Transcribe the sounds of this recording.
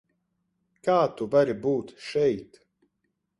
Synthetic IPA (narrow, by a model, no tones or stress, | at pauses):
kaːt̪ubaɾibuːt̪ʃɛjt̪